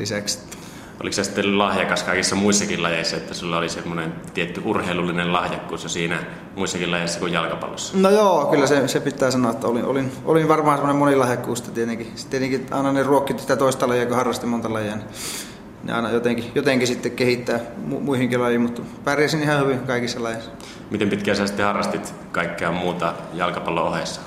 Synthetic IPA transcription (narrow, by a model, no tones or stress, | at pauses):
lisækse̥t̪ːæ̥ | ʔo̰liksɑsi̥t̪ːelllɑhjɑkɑskɑˑikisːɑmuisːɑkilɑjeˑisːɑet̪ːæsilːɑolisemːonent̪iet̪ːyurheˑilulːinellɑhjɑkːṵːsjɑsiːnæ | muisːɑkilɑjeˑsːɑkujjɑlkɑpɑ̰lːosːɑ̥nojoːkylːæsesepit̪ːˑæːsɑnoet̪ːæolinʔo̰lino̰linʋɑrmɑhɑnsemːonemonilɑhjɑkːuːst̪ːæt̪iet̪eŋkist̪iet̪eŋkiɑ̰ˑenɑneruokːit̪nit̪æt̪oˑist̪ɑlɑjiɑkohɑrːɑst̪imont̪ɑlɑjɑni | nḭʔɑ̰enɑjot̪eŋkijot̪eŋkisit̪ːekkehit̪ːæːmumuihiŋkelɑjimut̪pærjæsinihɑhyʋiŋkɑˑikisːɑlɑjɑsːɑ̥ | mit̪empit̪kæːsæsit̪ːehɑrːɑst̪it̪ | kɑˑikːeɑːmmuːt̪ɑjɑlkɑpɑlːo̰ohesːɑ̥